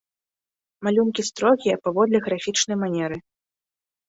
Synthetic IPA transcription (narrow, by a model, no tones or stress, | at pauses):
malʲumkʲist̪ɾɔɣʲijɐpavɔd̪lʲɛɣɾafʲit͡ʂnɐjmanʲɛɾɨ